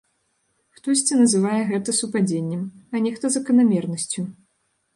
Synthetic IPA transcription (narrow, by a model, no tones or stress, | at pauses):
xt̪ɔsʲt͡sʲɛnɐzɨvajɛɣɛt̪ɐsupad͡zʲenʲːɛmɐnʲɛxt̪ɔzɐkɐnamʲɛrnɐsʲt͡sʲu